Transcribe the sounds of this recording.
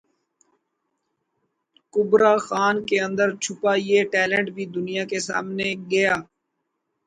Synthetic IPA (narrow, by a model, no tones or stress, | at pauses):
kʊbɾaːxaːnkeə̃nd̪əɾt͡ʃʰʊpaːjeːʈɛːlẽɳʈbʱiːd̪ʊnijaːkesa̰ːmneːɡəjaː